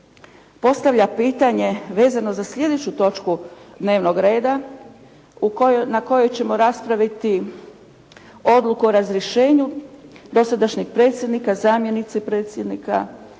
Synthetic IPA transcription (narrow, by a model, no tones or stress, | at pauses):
po̞st̪aʋʎʲapiːt̪aɲe̞ʋe̞ːzano̞zasʎʲe̞d̪e̞t͡ɕut̪o̞t͡ʃkud̪ne̞ːʋno̞ɡɾe̞ːd̪a | uknako̞jo̞jt͡ɕe̞mo̞ɾaspɾaʋit̪i | o̞d̪lˠukuoɾazɾjeʃe̞ːɲud̪o̞sad̪aʃɲiɡpɾe̞ːt̪sjed̪nikazaːmje̞nit̪sepɾe̞ːt̪sje̞d̪nika̰